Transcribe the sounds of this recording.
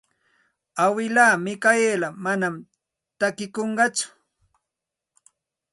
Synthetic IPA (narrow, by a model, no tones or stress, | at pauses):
awɪlaːmɪkajelamanam | t̪akɪkoɴɢɑt͡sʊ̥